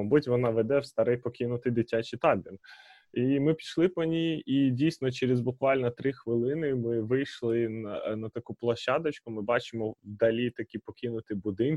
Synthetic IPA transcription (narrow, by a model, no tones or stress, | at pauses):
ɔbutʲʋɔnɑʋɛd̪ɛwst̪ɐɾɛjpɔkʲinʊt̪ɪjd̪ɪtʲat͡ʃit̪ɑlʲd̪ʲɪn | imɪpʲi̥ʃlˠɪpɔnʲijidʲijsʲnɔt͡ʃeɾezbʊkʋɑlʲnɔt̪ɾɪxʋɪlˠɪnɪmɪʋɪjʃlˠɪnnɐt̪ɐkuplˠɐʃɑd̪ɐt͡ʃkʊmɪbɑt͡ʃɪmɔwd̪ɐlʲit̪ɐkʲipɔkʲʰinʊt̪ɪjbʊd̪ɪn